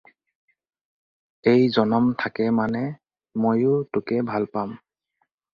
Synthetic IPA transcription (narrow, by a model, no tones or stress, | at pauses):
ejzɔnɔmtʰakɛmanɛ | mojʊtʊkɛbʱalpam